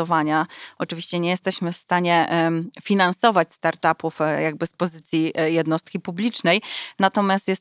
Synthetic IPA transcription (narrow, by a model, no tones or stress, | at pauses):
ɔvaɲaʔɔt͡ʂɘvʲiɕt͡ɕɛɲɛjɛst̪ɛɕmɘfst̪aɲɛfʲinansɔvat͡ɕst̪aɾt̪apufjaɡ̚bɘspɔzɘt̪sʲjijɛd̪nɔst̪̚kʲipublʲit͡ʂnɛjnat̪ɔmʲjast̪jɛst̪